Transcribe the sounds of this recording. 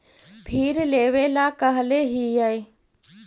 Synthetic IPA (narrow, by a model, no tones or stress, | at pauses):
pʰiːɾleːʋeːlakəɦleːɦiːjaiː